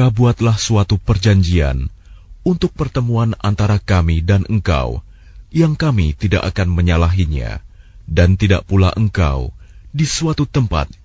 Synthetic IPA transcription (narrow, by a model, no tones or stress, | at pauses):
abuat̪lahsuat̪upərd͡ʒaɲd͡ʒia̰n | unt̪ʊk̚pərt̪əmuana̰nt̪aɾakamidanʔəŋka̰w | jaŋkamit̪idaʔakanməɲalaɦiɲa̰ | dant̪ida̰ʔpulaʔəŋka̰wdisuat̪ut̪əmpa̰t̪̚